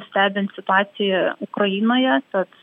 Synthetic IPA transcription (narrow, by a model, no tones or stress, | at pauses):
sʲt̪ʲæːbʲɪnt̪sʲɪt̪ʊɑːt̪sʲɪjɛʊkɾɐiːnoːjɛt̪ɐt̪